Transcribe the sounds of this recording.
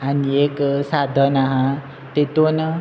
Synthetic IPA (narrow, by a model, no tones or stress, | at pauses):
anieksad̪ʱənaɦã | t̪et̪onʌ